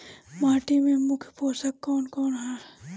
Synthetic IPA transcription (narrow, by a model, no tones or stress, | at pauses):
maːʈimẽmʊkʰpoːsɐkːɔːnkɔːnɦaɾ